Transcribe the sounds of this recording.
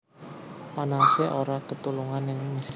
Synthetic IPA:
panaseʔoɾakət̪uluŋanɪŋmis

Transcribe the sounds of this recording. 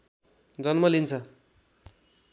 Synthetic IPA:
d͡zʌnmʌlint͡sʰʌ

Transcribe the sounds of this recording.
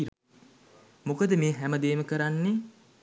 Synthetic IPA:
ɾ | mokəd̪əmeːɦæməd̪eːməkəɾanːe

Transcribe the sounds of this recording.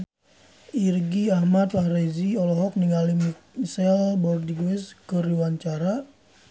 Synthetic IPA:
irɡiahmat̪lareziɔlɔɦɔk̚niŋalimmisɛlbɔrdiɡwɛskəɾiwaɲt͡ʃaɾa

